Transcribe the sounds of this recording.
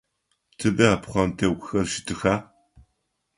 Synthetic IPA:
tʰɨbɐapχʷɐmtʰɐwɡʷxɐrʃɪ̥tʰɨxaː

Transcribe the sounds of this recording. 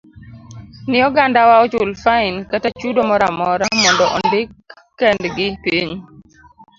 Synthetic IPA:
nɪɔɡandawaɔt͡ʃʊlfaɪnkatat͡ʃudomɔɾamɔɾamɔndɔʔɔndɪkː | ɛndɡɪpiɲ

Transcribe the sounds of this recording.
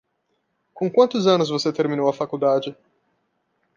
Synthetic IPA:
kõkwɐ̃nt̪ʊzɐ̃nʊzvoset̪eɾmĩnowɐfakud̪ad͡ʒɪ

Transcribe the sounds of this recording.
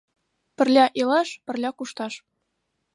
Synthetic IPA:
pɘ̆rlʲæʔelɑʃpɘ̆rlʲækuʃt̪ɑʃ

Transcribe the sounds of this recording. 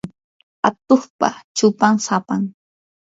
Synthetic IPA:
at̪oχpa̰t͡ʃʊpaŋsapaŋ

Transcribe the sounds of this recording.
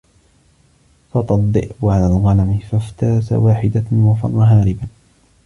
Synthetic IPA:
fɑt̪ˤɑd̪ˤːɪ̰ʔʕalaːlɣɑlamɪfaft̪aːsa̰waːħɪd̪awafɑ̰nˤːɑɦaːɾɪba

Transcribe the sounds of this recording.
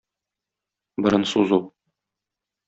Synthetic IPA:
bɤ̆ɾɤnsuzu

